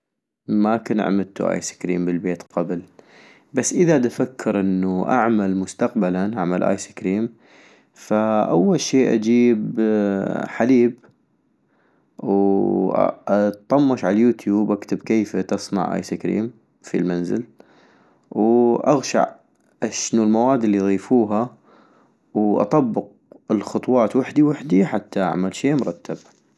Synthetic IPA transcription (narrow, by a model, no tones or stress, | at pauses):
makanʕ̰mɪd̪t̪ṵʔa̰ːjsɪ̥kɾḭːmbɪlbeːt̪qɑbl | basːʔɪðad̪afakʰːɪɾʔɪnːuʔa̰ʕmalmʊst̪aqbalanʔaʕmalʔa̰jsɪ̥kɾiːm | faʔawːalʃiːʔa̰d͡ʒiːb | ħaliːb | w | t̪t̪ˤːɑmːɑʃʕalajuːt̪ʰjuːbʔakt̪ɪbkeːft̪ɪsˤna̰ʕʔa̰jsikɾḭːm | filmanzɪ̰l | wʔaɣʃa̰ʕ | ʔaʃnulmawaːd̪ɪlːiðˤiːfuːɦa | wʔɑ̰t̪ˤɑbːɪq̚ | ɪlxʊt̪ˤwɑːt̪waħd̪iwaħd̪iħat̪ʰːaʔa̰ʕmalʃeːmʊɾˤɑt̪ːab